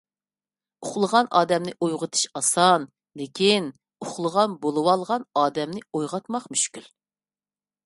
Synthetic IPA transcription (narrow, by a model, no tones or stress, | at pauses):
ʊχlˠəʁɑnʔɑːd̪ɛmnɪʔojʁət̪ʰɨ̥ʃɑsɑn | lɪkʲin | ʊχlˠəʁɑnbolˠɨwɑlˠʁɑnɑːd̪ɛmnɪojʁɑt̪mɑqmyʃkʲyl